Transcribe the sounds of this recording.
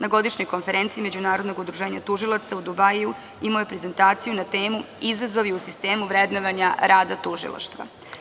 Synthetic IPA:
naɡo̞d̪iʃɲo̞jko̞nfe̞ɾe̞nt̪siːme̞d͡ʑunaːɾo̞d̪no̞ɡud̪ɾuʒeːɲat̪uʒilˠat̪saud̪ubaju | imojopɾeze̞nt̪aːt̪sijunat̪e̞ːmuizazoʋiusist̪e̞ːmuʋɾed̪noʋaɲaɾaːd̪at̪uʒḭlˠa̰ʃt̪ʋa̰

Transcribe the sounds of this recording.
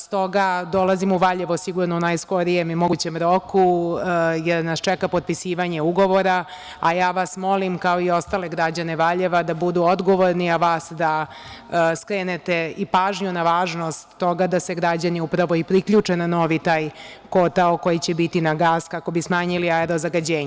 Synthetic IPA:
st̪o̞ɡad̪o̞lazimuʋaʎeʋosiɡuɾnounajsko̞ɾijemimo̞ɡut͡ɕe̞mɾo̞ku | jeɾnast͡ʃɛkapo̞t̪̚pisiːʋaɲe̞uɡo̞ʋo̞ɾa | ajaːʋasmo̞limkao̞io̞st̪aːle̞ɡɾad͡ʑane̞ʋaʎeʋad̪abud̪uod̪ɡo̞ʋo̞ɾniaʋaːsd̪a | skɾeːnet̪e̞ipaːʒɲunaʋaːʒno̞st̪ːo̞ɡad̪ase̞ɡɾad͡ʑaniupɾaʋo̞ipɾikʎuːt͡ʂenano̞ʋit̪aːjkot̪aoko̞jit͡ɕebit̪inaɡaːskako̞bismaːɲiliaeɾo̞zaɡad͡ʑeːɲe

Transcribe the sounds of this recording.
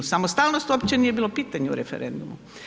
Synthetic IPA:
samost̪aːlnost̪uopt͡ɕenijebiːlˠo̞piːt̪aɲeṵɾefḛɾend̪umu

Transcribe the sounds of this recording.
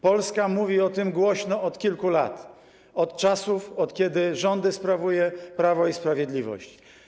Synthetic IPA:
pɔlskamuvʲiɔt̪ɘmɡwɔɕnɔɔt̪kʲilkula̰t̪ | ɔt̪t͡ʂasufɔt̪kʲɛd̪ɘʐɔnd̪ɘspɾavujɛpɾavɔispɾavʲjɛd̪lʲivɔ̰ɕt͡ɕ

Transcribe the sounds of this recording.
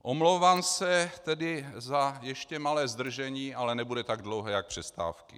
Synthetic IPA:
ʔʔomlowvaːmsɛt̪ɛdɪzajɛʃcɛmalɛːzd̪r̩ʒɛɲiːʔalɛnɛbudɛt̪aɡ̚dlowɦɛjak̚pr̝̥ɛst̪a̰ːfkɪ̰

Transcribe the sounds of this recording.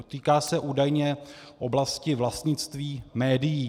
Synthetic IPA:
t̪iːkaːsɛʔuːdajɲɛʔoblascɪvlast̪ɲɪt͡st̪viːmɛːdɪjiː

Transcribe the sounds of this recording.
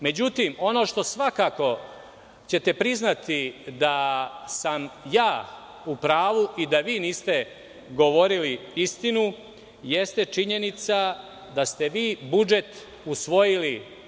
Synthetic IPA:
me̞d͡ʑut̪imo̞no̞ːʃt̪o̞sʋakako̞ | t͡ɕe̞t̪e̞pɾiznat̪id̪asamjaː | upɾaːʋuʔid̪aʋiːniːst̪e̞ | ɡo̞ʋo̞ɾiliist̪inu | jest̪e̞t͡ʂiɲe̞nit̪sa | d̪ast̪eʋiːbud͡ʒe̞t̪ | usʋo̞jili

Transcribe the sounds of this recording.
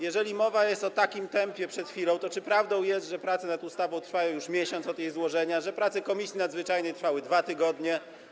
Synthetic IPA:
jɛʐɛlʲimɔvajɛst̪ɔt̪akʲimt̪ɛmpʲjɛpʂɛt̪xʲfʲilɔ̃w̃t̪ɔt͡ʂɘpɾavd̪ɔ̃w̃jɛst̪ʐɛpɾat̪sɛnat̪ust̪avɔ̃w̃t̪ɾfajɔ̃w̃juʂmʲjɛɕɔnt̪sɔd̪jejzwɔʐɛɲaʐɛpɾat̪sɛkɔmʲisʲjinad̪zvɘt͡ʂajnɛjt̪ɾfawɘd̪vat̪ɘɡɔd̪ɲɛ

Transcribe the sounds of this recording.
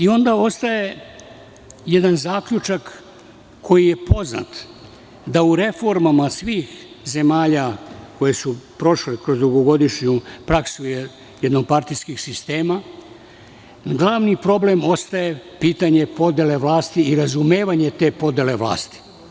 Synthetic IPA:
io̞nd̪ao̞st̪aje̞ | jed̪anzaːkʎut͡ʃakːʰ | o̞jije̞po̞zna̰t̪ | d̪auɾe̞fo̞ɾmamasʋiːx | ze̞maːʎako̞jesupɾo̞ʃlekɾo̞zd̪uɡo̞ɡo̞d̪iʃɲupɾaksuje | jed̪noɡ̚paɾt̪ijskixsist̪e̞ːma | ɡlˠaːʋnipɾo̞ble̞mo̞st̪aje̞piːt̪aɲe̞po̞d̪e̞le̞ʋlaːst̪iiɾazume̞ːʋaɲe̞t̪e̞ːpo̞d̪ele̞ʋla̰ːst̪i̥

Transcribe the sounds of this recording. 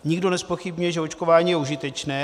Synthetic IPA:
ɲɪɡdo̞nɛspo̞xɪbɲujɛʒɛot͡ʃkovaːɲiːjɛuʒɪt̪ɛt͡ʃnɛː

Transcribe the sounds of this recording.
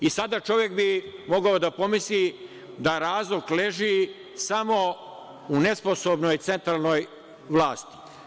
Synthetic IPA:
isad̪at͡ʃo̞ʋjek̚bimo̞ɡaod̪apo̞misli | d̪aɾaːzlˠokleʒi | samo̞ | unesposobnojt̪se̞nt̪ɾaːlˠnoj | ʋlˠaːst̪i̥

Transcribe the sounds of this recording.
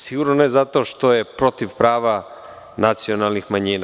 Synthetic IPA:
siɡuɾnoneezat̪o̞ʃt̪o̞je̞pɾo̞t̪iʋpɾaːʋa | nat̪sio̞nalnixmaɲiːna

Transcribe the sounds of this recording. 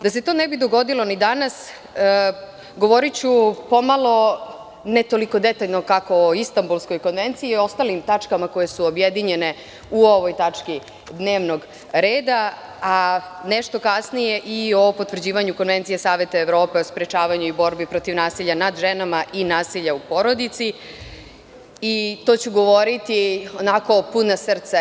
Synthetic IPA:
d̪ase̞t̪o̞ːnebid̪o̞ɡo̞d̪ilo̞nid̪anas | ɡo̞ʋo̞ɾit͡ɕupo̞malˠo̞ | net̪o̞liko̞d̪et̪aʎnokako̞oist̪ambulˠsko̞jko̞nʋe̞nt̪siio̞st̪alimt̪at͡ʂkamako̞je̞suobjed̪iɲene | uo̞ʋojt̪at͡ʂki | d̪neːʋno̞ɡ | ɾeːd̪a | aneʃt̪o̞kasnije̞ʔio̞po̞t̪ʋr̩d͡ʑiːʋaɲuko̞nʋe̞nt̪sijesaːʋe̞t̪aeʋɾoːpe̞ospɾet͡ʃaːʋaɲuibo̞ɾbipɾo̞t̪iʋnaːsiʎanad̪ʒenamaʔinaːsiʎaupo̞ɾo̞d̪it̪si | it̪o̞ːt͡ɕuɡo̞ʋo̞ɾit̪ionako̞punasr̩t̪sa

